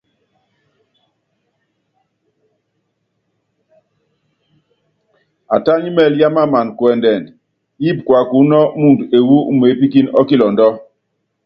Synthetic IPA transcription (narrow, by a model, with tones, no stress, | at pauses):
a˨ta˦ɲi˦mɛ˦˨lja˦ma˦˨ma˨nkwɛ˨ndɛ˨n | ji˦˨p̚kwa˨ku˨˦nɔ˦mu˦˨de˨wu˦u˦m˨e˨˦pi˦ki˦nɔ˦ki˦lɔ˨ndɔ˦